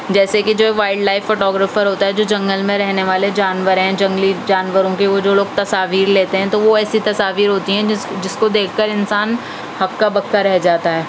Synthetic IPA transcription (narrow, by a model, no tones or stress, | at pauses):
d͡ʒɛːsekid͡ʒoːʋaːɪɖlaːɪfːoːʈɔːɡɾəfəɾɦoːt̪aɦɛd͡ʒoːd͡ʒɐ̃ŋɡəlmẽɾɛɦneʋaːled͡ʒaːnʋəɾɦɛ̃d͡ʒɐ̃ŋɡlid͡ʒaːnʋəɾõkiʋod͡ʒoːloːɡ̚t̪ɐsaːʋiːɾleːt̪eɦɛ̃t̪oʋoɛːsit̪ɐsaːʋiːɾɦoːt̪iɦɛ̃d͡ʒɪskod̪eːkʰːɐɾɪnsaːn | hɐkːabɐkːaɾɛɦd͡ʒaːt̪aɦɛː